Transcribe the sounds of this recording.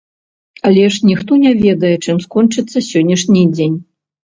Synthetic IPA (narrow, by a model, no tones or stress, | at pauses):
ɐlʲɛʂnʲixt̪ɔnʲɛvʲɛd̪ɐjɛt͡ʂɨmskɔnt͡ʂɨt̪sːɐsʲɔnʲːɐʂnʲid͡zʲenʲ